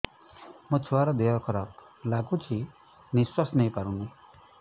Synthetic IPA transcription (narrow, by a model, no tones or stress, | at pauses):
mũt͡ʃʰuaɾɔd̪eɦɔkʰɔɾɔk | laɡut͡ʃʰi | niswasnejpaɾũni